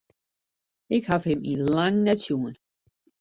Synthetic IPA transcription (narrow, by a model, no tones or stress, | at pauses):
ɪkhafhɪmilaŋnatjuːn